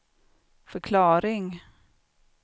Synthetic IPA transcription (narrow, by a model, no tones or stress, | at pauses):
fœɾkʰlɑːɾɪŋ